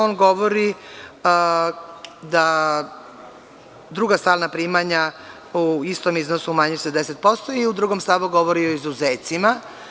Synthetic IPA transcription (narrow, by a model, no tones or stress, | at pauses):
oːnɡo̞ʋoɾi | d̪a | d̪ɾuːɡast̪aːlnapɾimaɲa | uist̪o̞miznosumaɲesed̪eset̪̚po̞st̪oiud̪ɾuːɡomst̪aʋuɡo̞ʋoɾioizuzeːt̪sima